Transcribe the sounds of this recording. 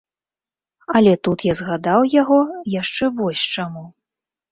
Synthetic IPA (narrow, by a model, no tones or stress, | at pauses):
ɐlʲɛt̪ut̪jazɣad̪awjaɣɔjaʂt͡ʂɛvɔsʲt͡ʂamu